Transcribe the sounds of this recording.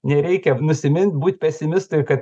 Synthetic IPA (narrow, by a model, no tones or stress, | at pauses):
nʲɛɾʲɛɪkʲɛnʊsʲɪmʲɪnʲt̪ʲbuːt̪ʲpʲɛsʲɪmʲɪst̪ʊɪjkɐt̪